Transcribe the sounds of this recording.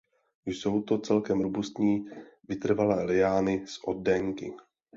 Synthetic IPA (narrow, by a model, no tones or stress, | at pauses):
jso̞wt̪o̞t͡sɛlkɛmɾubust̪ɲiːvɪt̪r̩valɛːlɪjaːnɪsʔo̞d̚ːɛŋkɪ̰